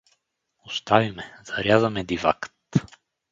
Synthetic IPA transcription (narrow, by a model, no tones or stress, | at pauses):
ost̪avimɛz̥aɾʲjazəmɛd̪iva̰kt̪